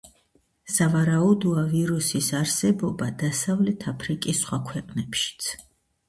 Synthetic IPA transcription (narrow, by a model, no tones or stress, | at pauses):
savaɾaud̪uaviɾusisaɾsɛbɔbad̪asavlɛt̪ʰapʰɾikʼisːχwakʰwɛqʼnɛpʃi̥t̪sʰ